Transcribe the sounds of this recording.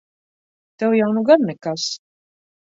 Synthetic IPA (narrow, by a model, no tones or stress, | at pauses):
t̪ɛwjawnuɡaɾnɛkas